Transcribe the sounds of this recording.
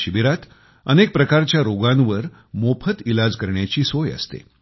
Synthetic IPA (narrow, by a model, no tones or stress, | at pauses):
ɕibiɾat̪ | ənek̚pɾəkaɾt͡ɕjaɾoɡãnʋəɾ | mopʰət̪ilad͡zkəɾɳjat͡ɕiːsojə̰st̪ḛ